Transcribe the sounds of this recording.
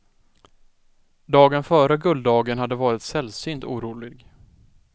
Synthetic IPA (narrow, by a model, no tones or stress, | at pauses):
d̪ɑːɡənfœːɾəɡɵld̪ɑːɡənhad̪ːəvɑːɾɪt̪sɛlsyːnt̪ṵːɾuːlɪɡ